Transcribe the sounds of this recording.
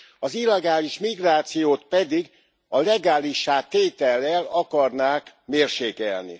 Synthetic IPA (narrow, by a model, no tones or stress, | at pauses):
ɒzilːɛɡaːliʃmiɡraːt̪sijoːt̪pɛd̪iɡ | ɒlɛɡaːliʃːaːt̪ːeːt̪ɛlːɛlɒkɒrnaːkmeːrʃeːkɛ̰lnḭ